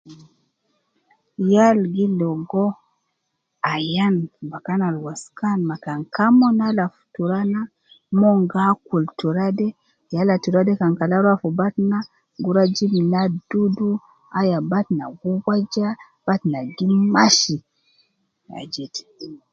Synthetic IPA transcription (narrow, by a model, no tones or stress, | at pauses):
jalɡilɔɡɔ | ajanbakanalwaskanmakaŋkamɔnalafu̥tuɾana | mɔŋɡakultuɾadɛ | jalatuɾadɛkaŋkalaɾafubatna | ɡuɾad͡ʒimnadudu | ajabatna̰ɡuwad͡ʒa | b̥atnaɡimmaʃi | a̰d͡ʒɛt